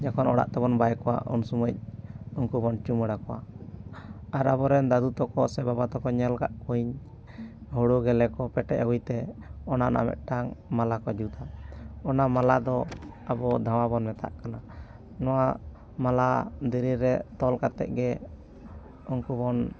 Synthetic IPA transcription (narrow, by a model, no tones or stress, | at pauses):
d͡ʒakʰɔnɔɽa̰ʔt̪ɛbɔnbajkɔwa̰ʔɔ̰nsuməc̚ɔnkubɔnt͡ʃuməɽakɔwa̰ | aɾabɔɾɛnd̪ad̪ut̪ɔkɔsɛbabat̪ɔkɔɲɛlɡaʔkuiɲ | hɔɽuɡɛlɛkɔpɛʈɛ̰ʔawujt̪ɛɔna̰na̰mɛ̰t̪̚ʈaŋmalakɔd͡ʒut̪aɔnamalad̪ɔ | abɔd̪ʱaw̃abɔnmɛt̪a̰ʔkana | nɔwa | malad̪iɾiɾɛt̪ɔlkat̪ɛ̰ʔ̚ɡɛ | ɔnkubɔn